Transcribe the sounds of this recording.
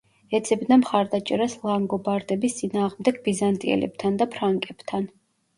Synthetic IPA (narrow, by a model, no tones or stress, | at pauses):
ɛd̪z̥ʰʼɛbnamχaɾd̪at͡ʃʼɛɾaslˠaŋɡɔbaɾd̪ɛbist̪sʼinaːʁmd̪ɛɡ̚bizant̪ʼiɛ̰lɛ̰bt̪ʰand̪apʰɾaŋkʼɛb̥t̪ʰan